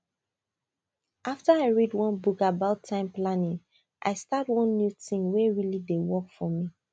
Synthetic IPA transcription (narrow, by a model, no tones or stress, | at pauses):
ʔaftəaɪɹidwʌ̃nbukabaʊtʰːãɪ̃mplanĩŋ | ʔa̰ɪstatwʌ̃nːjutĩŋwɛɹilidewɔkfɔmi